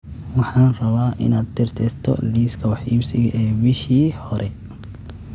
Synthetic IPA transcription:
wɑħɑːnrɐβaːʔɪ̰naːd̪̚t̪ʰɪrt̪ʰɛːst̪ʰɔ̰liːskʰɐwɑħʔiːbsɪɣɐʔɛːbɪʃiːhɔɾʔɛ

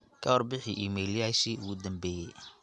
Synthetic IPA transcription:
kʰɐhɔrbɪħɪʔiːmɛljaːʃiʊɣʊd̪ɐmbɛːjɛj

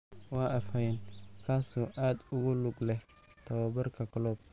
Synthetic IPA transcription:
waːʔɐfɐjnkʰaːsɔːʔaːd̪ʊɣʊlʊɡlɛh | t̪ʰɐwɐbɐrkʰɐkʰɐlɔːb̚k

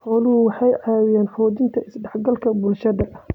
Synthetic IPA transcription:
hɔːlʊʊwɑħɑjʕɑːwɪjaːnħɔːðɪnt̪ʰɐɪsɖɛħɡɐlkʰɐbʊlʃɐðɐ

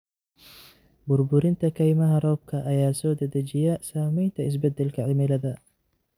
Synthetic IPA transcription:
bʊrbʊɾɪnt̪ʰɐkʰɐjmɐɦɐrɔːb̚kʰɐʔɐjaːsɔːd̪ɐðɐt͡ʃɪjɐsaːmɛjnt̪ʰɐɪs̬bɛd̪ɛlkʰɐʕɪmɪlɐðɐ

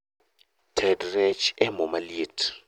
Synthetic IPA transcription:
tʰɛdrɛt͡ʃʰɛmɔmalitʰ

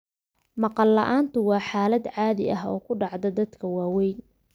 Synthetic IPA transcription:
mɑqɑlːɐ̰ʔaːnt̪ʰʊwɑːħaːlɐd̪ʕaːðɪ̰ʔɐɦɔ̰ːkʰʊɖɑʕd̪ɐd̪ɐd̪kʰɐwɑːwɛjn

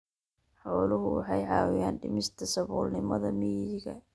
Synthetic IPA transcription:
ħɔːlʊɦʊwɑ̰ħɑjʕɑːwɪjaːnɖɪmɪst̪ʰɐsɐβɔːlnɪmɐðɐmiːðɪɣɐ̰

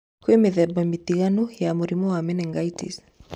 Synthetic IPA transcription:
kwemeðɛbamit̪iɣanujamuɾimɔwamɛnɛŋɡaitḭs

